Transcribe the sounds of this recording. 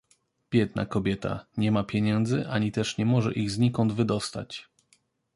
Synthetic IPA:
b̥ʲjɛd̪na̰kɔbʲjɛt̪a̰ɲɛmapʲjeɲɛnd̪zɘʔaɲit̪ɛʂɲɛmɔʐɛ̰ʔiɣzɲikɔnvɘd̪ɔst̪a̰t͡ɕ

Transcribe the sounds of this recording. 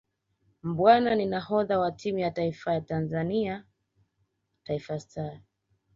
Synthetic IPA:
mbwananinahɔðawatʰimujataifajatanzania | taifastʰa

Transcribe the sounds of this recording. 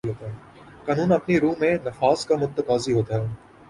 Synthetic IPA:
ɦoːt̪aɦɛː | kaːnũːnɐpniɾũːmẽnɐfaːst̪kamʊt̪ːəkaːziɦoːt̪aɦɛː

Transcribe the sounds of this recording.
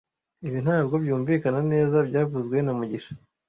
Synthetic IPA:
iβin̥haːbɡo̞bjuːɱviːkanane̞ːzabɟaːvuzɡwe̞namuɟiʃḁ

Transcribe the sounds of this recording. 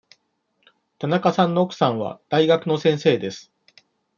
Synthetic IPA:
t̪anakasãnːo̞okɯ̥sãɰ̃βa̰d̪̥aiɡakɯ̟no̞sẽ̞ɰ̃se̞ːd̪e̞sɨ̥

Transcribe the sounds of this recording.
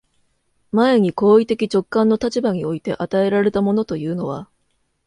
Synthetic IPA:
mae̞ɲ̟iko̞ːit̪e̞kʲit͡ɕo̞kːãnːo̞t̪at͡ɕibaɲ̟io̞it̪e̞ʔat̪ae̞ɾaɾe̞t̪amo̞no̞t̪o̞jɯ̟ːno̞β̞a̰

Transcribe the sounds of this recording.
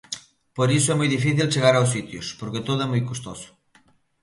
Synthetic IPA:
poɾisʊɛmojðifiθilt͡ʃeɣaɾaws̬it̪jʊ̰spoɾket̪oðʊɛmojkost̪o̰sʊ̥

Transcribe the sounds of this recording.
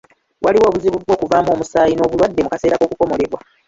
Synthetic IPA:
wʔaliwo̞ːβuziβuβwo̞ːkuvaːmo̞ːmusaːjino̞ːβulwadːe̞mukase̞ːɾako̞ːkuko̞mo̞ɾe̞βwa

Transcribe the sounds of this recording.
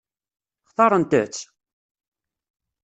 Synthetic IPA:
χθɑɾˤənt̪ə̰t͡sː

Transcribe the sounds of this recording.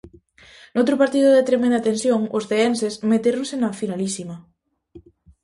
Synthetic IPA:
nowt̪ɾʊpaɾt̪iðʊðet̪ɾemẽnd̪at̪ẽnsjoŋosθeɛnsesmet̪eɾoŋsenafinalisimɐ

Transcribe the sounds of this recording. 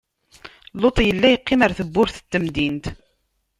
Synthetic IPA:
lot̪ˤjəlːæjəqːɪmaɾθəbːʊɾθə̥t̪ːəmd̪int̪

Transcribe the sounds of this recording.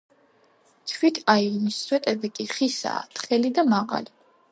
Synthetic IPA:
t̪ʰwit̪ʰainisːwɛt̪ʼɛbɛkʼiχisa̰ːt̪ʰχɛlid̪amaʁa̰li

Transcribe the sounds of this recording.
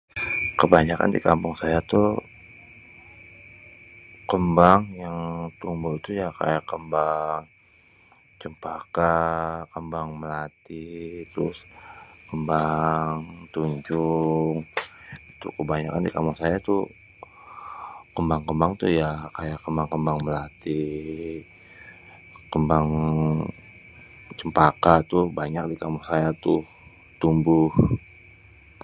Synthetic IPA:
kəbaɲaka̰ndikampʊŋsajat̪u | kəmbaŋjaŋt̪uŋbuit̪ujaka̰jakəmbaŋ | t͡ʃəmpakakəmbaŋməlat̪it̪ɾʊskəmbaŋt̪uɲd͡ʒʊŋ | t̪ʊ̰kəbaɲakandikamʊŋsajat̪ʊ | kəmbaŋkəmbaŋt̪ʊhjakajakəmbaŋkəmbaŋməlat̪i | kəmbaŋ | t͡ʃəmpakat̪ʊhbaɲak̚dikamʊŋsajat̪ʊh | t̪umbʊh

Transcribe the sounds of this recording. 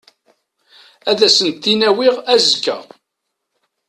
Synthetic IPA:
æðæsənt̪ːinæwiʁæzkːæ̰

